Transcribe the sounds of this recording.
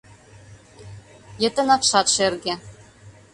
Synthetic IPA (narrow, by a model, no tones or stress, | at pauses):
jɘ̆t̪ɘ̆nɑpʃɑt̪ʃerɡe